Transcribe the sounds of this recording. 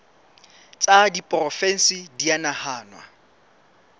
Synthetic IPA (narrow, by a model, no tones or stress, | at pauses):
t͡sʼadipʼrɔfɛn̩sidianahaːnwa̰